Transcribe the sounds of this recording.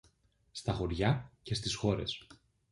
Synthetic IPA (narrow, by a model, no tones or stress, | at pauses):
st̪ɐxo̞ɾʝɐce̞st̪isxo̞ɾe̞s